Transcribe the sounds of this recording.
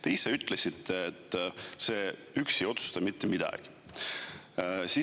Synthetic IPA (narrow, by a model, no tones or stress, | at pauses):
t̪ejseyt̪ːˑlesit̪ːeːt̪ːˑse̞ːyksejo̞t̪su̥st̪ɑmit̪ːemid̪̥ɑ̰ɡ̥i̥ | si